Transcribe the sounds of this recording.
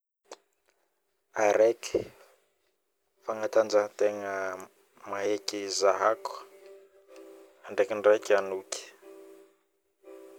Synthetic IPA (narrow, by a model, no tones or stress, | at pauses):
aɾɛki̥ | faŋat̪and͡ʒat̪eŋə | maɦekizaɦak | aɳɖ͡ʐekiɳɖ͡ʐajkanukʲi̥